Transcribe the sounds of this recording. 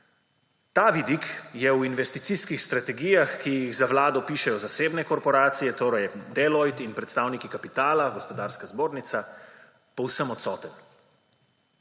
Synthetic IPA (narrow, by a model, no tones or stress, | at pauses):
t̪aːʋid̪ikjɛwinʋɛst̪it̪siskixst̪ɾat̪ɛɡiːjaxkijiɣzaʋlaːd̪ɔpiːʃɛjɔzaseːbnɛkɔɾpɔɾaːt̪sijɛt̪oːɾɛjd̪ɛlɔjt̪inpɾɛt̪st̪aːwnikikapit̪aːlaɡɔspɔd̪aːɾskazboːɾnit̪sa | pɔwsəmɔt̪sɔːt̪ən